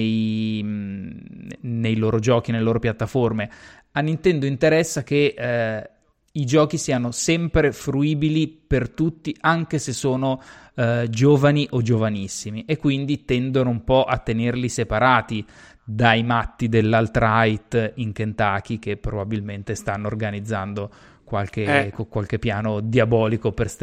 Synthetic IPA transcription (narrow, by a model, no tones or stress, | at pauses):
j | nejloːɾod͡ʒɔːk̟ineleloːɾopjat̪ːaforme | anːint̪ɛnd̪oint̪eɾɛsːak̟e | id͡ʒɔːk̟isiːanosɛmpɾefɾuiːbilipert̪ut̪ːiʔaŋk̟esesːoːno | d͡ʒoːvaniʔod͡ʒovanisːimiʔekːwind̪it̪ɛnd̪onoumpɔʔat̪ːenerlisepaɾaːt̪i | d̪ajmat̪ːid̪elːalt̪ɾajt̪iŋkent̪aːk̟ik̟epːɾobabilment̪est̪anːorɡanid̪zːand̪o | kwalk̟ekokːwalk̟epːjaːnod̪iabɔːlikopers